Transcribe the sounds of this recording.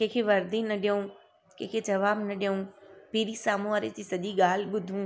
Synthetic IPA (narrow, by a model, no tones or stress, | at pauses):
kẽːkʰiʋɐɾd̪inɐɗijũ | kẽːkʰed͡ʒɐʋaːbnɐɗijəũːpiːɾisaːmuaːɾetiːsɐʄiɡaːl̤ɓʊd̪ʱũː